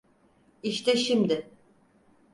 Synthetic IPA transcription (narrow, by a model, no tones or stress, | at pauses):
iʃt̪ɛʃimd̪ɪ